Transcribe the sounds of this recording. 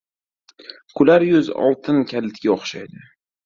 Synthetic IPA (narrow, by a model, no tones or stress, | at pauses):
kʰʊlaɾjʊzɒ̰lˠt̪ʰɪnkʲʰalɪt̪ɡʲaɒχʃa̰jd̪ɪ